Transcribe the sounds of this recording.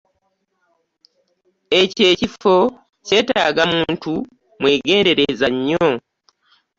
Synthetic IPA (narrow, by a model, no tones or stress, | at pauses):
e̞ce̞ːcifo̞ | ce̞ːta̰ːɡamuːntu | mwe̞ːɡe̞ːnde̞ɾezaɲːo